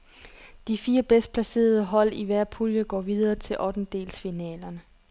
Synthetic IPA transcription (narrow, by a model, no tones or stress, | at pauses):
d̥ifiːɐb̥esd̥̚pʰlæse̝̰ːɐð̞ˠəɦɒ̽l̰iʋæɐ̰pʰuljəɡ̥ɒ̰ːʋið̞ˠɐːt͡sʰe̝lʔɒ̽d̥n̩d̥e̝̰ːlsfinɛ̰ːlɐnə